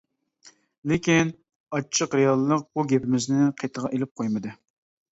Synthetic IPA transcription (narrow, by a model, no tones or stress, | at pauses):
lɪkʲin | ɑt͡ʃʰːəqɾejɑlˠːəq̚buɡʲepʰɪmɪznɪqʰet̪ʰəʁɑʔelɪp̚qʰojmɨd̪ɨ